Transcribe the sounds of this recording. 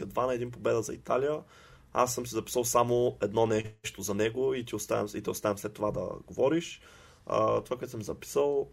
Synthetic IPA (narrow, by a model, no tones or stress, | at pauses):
əd̪vanɐɛd̪inp̬obɛd̪əzɐḭt̪alijə | a̰sːəmsizɐpi̥səlˠsamoɛd̪nɔnɛʃt̪ozɐnɛɡoit̪iost̪aɛ̰it̪ɛost̪avʲɛmslɛt̪ːovad̪ɐ̰ɡovɔɾiʃ | t̪ovakoɛt̪səmzɐpi̥səlˠ